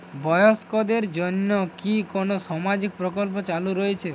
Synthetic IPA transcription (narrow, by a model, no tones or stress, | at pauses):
bɔjɔskɔd̪eɾd͡ʒɔnːɔkikonosɔmad͡ʒik̚pɾɔkɔlp̬ɔt͡ʃaluɾɔet͡ʃʰe